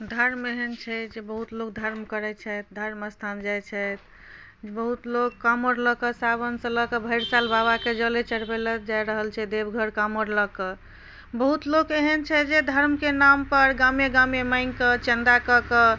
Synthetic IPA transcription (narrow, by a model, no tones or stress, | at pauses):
d̪ʱəɾmeɦənt͡ʃʰɛd͡ʒebəɦut̪lok̚d̪ʱəɾmkəɾɛt͡ʃʰɛt̪̚d̪ʱəɾməst̪ʰand͡ʒajt͡ʃʰɛt̪ | bəɦut̪lokkːamoɾləkəsabənsə̃ləkəbʱəɪɾsalbaβaked͡ʒəlet͡ʃəɽbeləd͡ʒajɾəɦəlt͡ʃʰɛd̪ebɡʱəɾkaməɾləkə | bəɦut̪lokeɦənt͡ʃʰɛd͡ʒed̪ʱəɾmkenampəɾɡamjeɡamjeməɪŋkət͡ʃə̃nd̪akəkə